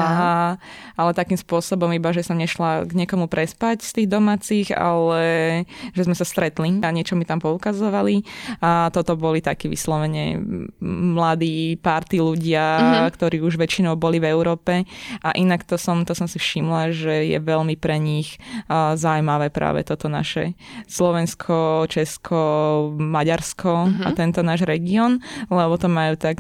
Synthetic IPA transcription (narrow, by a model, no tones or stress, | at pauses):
aɦaalɛt̪akiːmspʊɔsɔbɔmibaʒɛsɔmɲɛʃlaɡɲɪɛkɔmupɾɛspacst̪iːɣd̪ɔmaːt͡siɣa̰lɛ | ʒɛzmɛsast̪ɾɛt̪liɲɪɛt͡ʃɔmit̪ampɔukazɔʋaliat̪ɔt̪ɔbɔlit̪akiːʋḭslɔʋɛɲɛ̰ | mlad̪iːpaɾt̪iluɟɪakt̪ɔɾiːuʒʋɛt͡ʃinɔʊbɔlivɛʊɾɔːpɛʔaʔinakt̪ɔsɔmt̪ɔsɔmsifʃimlaʒɛjɛ̰ʋɛlmipɾɛɲixzaumaʋɛːpɾa̰ːʋɛ̰t̪ɔt̪ɔna̰ʃɛslɔʋɛnskʰɔt͡ʃɛskʰɔmaɟaɾskʰɔa̰t̪ɛnt̪ɔnaːʒɾɛɡiɔːnlɛbɔt̪ɔmajuːt̪ak